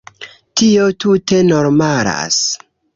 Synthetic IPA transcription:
tiotute̞noɾmaɾa̰s

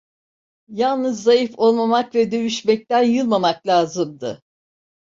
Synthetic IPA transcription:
jalˠnɯzːajɯfo̞lˠmamakvɛd̪ø̞jyʃmɛc̚t̪ænjɯlˠmamaklʲaːzɯmd̪ɯ

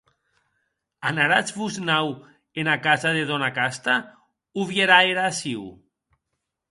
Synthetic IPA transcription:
anaɾat͡sβuznaw | enakazaðeðɔnakast̪a | uβjeɾaeɾaːsiw

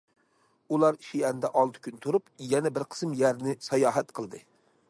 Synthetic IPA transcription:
ulˠɑɾiʃijɛnd̪ɛʔɑlˠt̪ʰɨ̥kʲynt̪ʰuɾupjɛnɛbɪɾqʰə̥smjæɾnɪsɑjɑːɦɛt̪qʰəlˠd̪ɨ

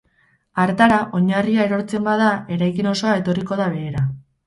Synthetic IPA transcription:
aɾt̪aɾaʔo̞ɲariae̞ɾo̞ɾt͡se̞mbað̞ae̞ɾajkino̞so̞ae̞t̪o̞riko̞ðaβ̞e̞ːɾa

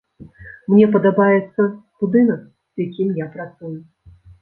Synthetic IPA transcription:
mnʲɛpɐd̪abajɛt̪sːɐb̥ud̪ɨnɐk̚ | z̥jakʲimjapɾat̪suju

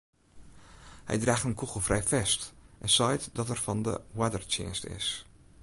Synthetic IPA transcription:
hɛ̰jdraːxtənkʰuxəlˠfrɛjfɛstʔɛnsɔjtdɔtɛrfɑndə̰wadərt͡ʃɪ̰ːnstɪ̰s

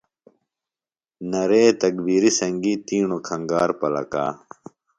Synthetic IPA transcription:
nɐɾeːt̪ɐkbiːɾisɐŋɡit̪iːɳokʰɐŋɡaːɾpɐlɐ̰ka̰ː

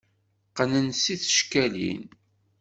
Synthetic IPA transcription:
qənənsiθə̥ʃkælḭn

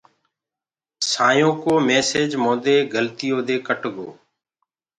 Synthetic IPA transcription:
saːjõːkoːmeːseːd͡ʒmõːd̪eːɡəlt̪ɪjõːd̪eːkəʈɡo̰ː

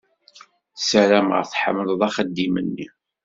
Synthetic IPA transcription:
səɾæmə̰ʁθħə̰mːlðˤæχəd̪ːimənːḭ

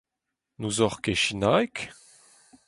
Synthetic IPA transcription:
nuzɔχkeʃinajk

